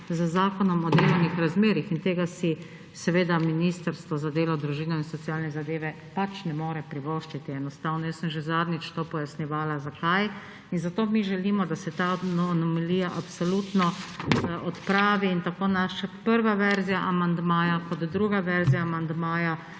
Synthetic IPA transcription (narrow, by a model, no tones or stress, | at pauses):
zəzaːkɔnɔmɔd̪eːlɔwnixɾazmeːɾixint̪eːɡasi | sɛʋeːd̪aminist̪əɾst̪ʋɔzad̪eːlɔd̪ɾuʒiːnɔinsɔt̪sijaːlnɛzad̪eːʋɛ | pat͡ʃnɛmoːɾɛpɾiʋoʃt͡ʃit̪iɛnɔst̪aːwnɔjasəmʒezad̪nit͡ʃt̪opɔjasniʋaːlazakaj | inzat̪oːmiʒɛliːmɔd̪asɛt̪anɔmɛlijaʔapsolut̪nɔʔɔt̪pɾaːʋiːnt̪akoːnaʃapəɾʋaʋɛɾzijaʔamand̪maːjakɔd̪ːɾuːɡaʋɛɾzijaːmand̪maːja